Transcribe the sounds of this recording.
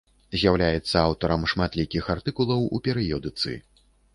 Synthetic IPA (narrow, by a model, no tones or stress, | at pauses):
zʲjawlʲajɛt̪sːɐawt̪ɔɾɐmʂmat̪lʲikʲixart̪ɨkulˠɐwṵpʲɛɾɨjɔd̪ɨt̪sɨ̰